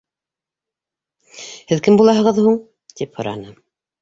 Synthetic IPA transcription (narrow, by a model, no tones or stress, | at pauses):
hɘðkɘmbulˠɑɦɤ̆ʁɤðhuɴ | t̪iphŏ̰ɾɑ̰nɤ